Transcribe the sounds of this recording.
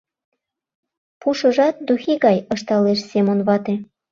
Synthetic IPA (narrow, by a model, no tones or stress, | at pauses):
puʃə̆ʒɑt̪̚d̪uxiɣɑjɤʃt̪ɑleʃsemonβɑt̪e